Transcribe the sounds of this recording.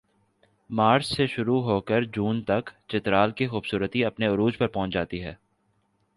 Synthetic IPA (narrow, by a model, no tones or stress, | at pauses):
maːɾsseʃʊɾuɦoːkəɾd͡ʒuːnt̪ɐkt͡ʃɪt̪ɾaːlkixuːbsuːɾət̪iɐpneʊɾuːd͡ʒpɐɾpɔ̃ɦʊ̃t͡ʃd͡ʒaːt̪iɦɛː